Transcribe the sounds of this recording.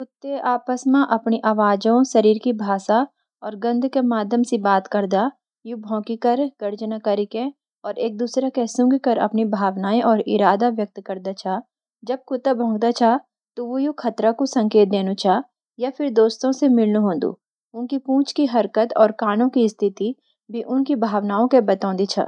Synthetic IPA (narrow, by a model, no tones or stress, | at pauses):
kʊt̪ːeaːpəsmãʔɐpniʔaːʋaːd͡ʒõʃɐɾiːɾkibʱaːsa | ɔːɾɡɐ̃nd̪ʱkemaːd̪ʱjəmsibaːt̪kɐɾd̪a | jubʱɔ̃ːkikɐɾɡ̥ɐɾd͡ʒnakəɾikẽ | ɔːɾeːk̚d̪uːsɾakɛːsʊ̃ŋɡkɐɾɐ̰pnibʱaːʋnaːiʔɔːɾʔɪɾaːd̪aʋjɐk̚t̪kɐɾd̪at͡ʃʰaː | d͡ʒɐb̚kʊt̪abʱɔ̃ːŋɡd̪at͡ʃʰaː | t̪oʋojoxʰɐt̪ɾakosɐ̃ŋkeːt̪̚d̪eːnut͡ʃʰaː | jafʰɪɾd̪oːst̪õsemɪlnuɦõːnd̪ṵː | ʊnkipũːt͡ʃkiɦɐɾkət̪ɔːɾkaːnõkist̪ʰɪt̪i | bʱiʔʊnkibʱaːʋnaːõkebɐt̪ãːnd̪it͡ʃʰa̰